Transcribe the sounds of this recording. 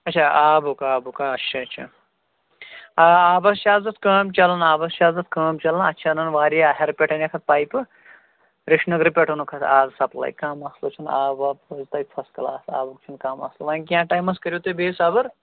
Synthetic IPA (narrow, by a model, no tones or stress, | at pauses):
ɐtt͡ʃʰaːaːbukaːbukaɐtːʃʰɐɐt͡ʃʰa̰ | aaːbɐst͡ʃaːzɐt̪ʰkaːmt͡ʃɐlɐnaːbɐst͡ʃʰaːzɐt̪ʰkɐːmt͡ʃɐlɐnɐ̰tːt͡ʃʰanɐnʋaːɾiɦɐɾpʲeʈɐnʲɐkʰɐt̪̚paːjpɨ | ɾiʂʰnɨkɾipʲeʈʰunukʰɐt̪ʰaːzsɐplɐ̰jkaːmɐslut͡ʃʰunaːbaːpɐzt̪ɐjpʰɐskɐlaːsa̰ːbuk̚t͡ʃʰunkaːmɐ̰sluʋɐnʲkʲjãːʈaːjmɐskɐɾjot̪obeːsaːbɐɾ